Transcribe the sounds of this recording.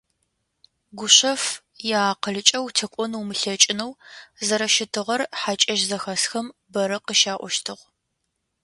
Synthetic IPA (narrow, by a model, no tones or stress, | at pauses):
ɡʷʊɕɐf | jaːqəɮɨt͡ʃʼɐwtʰɐkʷʼɔnuwmɨɬɐt͡ʃʼɪnɐwzɐɾɐʃɪtʰɨʁɐrħat͡ʃʼɐʒzɐxɐsxɐmbɐɾɐqəʃaːʔʷɔʃtʰɨʁ